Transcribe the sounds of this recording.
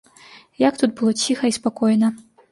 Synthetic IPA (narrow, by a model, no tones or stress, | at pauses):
jakt̪ut̪̚bɨlˠɔt͡sʲixɐispakɔjnɐ